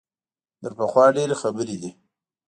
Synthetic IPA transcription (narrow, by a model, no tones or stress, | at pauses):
d̪əɾpəxwɑːɖeɾexabəɾid̪i